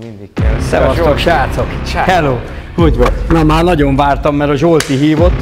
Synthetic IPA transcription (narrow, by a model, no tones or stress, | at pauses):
sɛvɒsɒkʃaːt̪sokhɛloː | huɟvɔnɒmaːrnɒɟoɱvaːrt̪ɒmːɛɾɒʒolt̪iɦiːvo̞t̪ː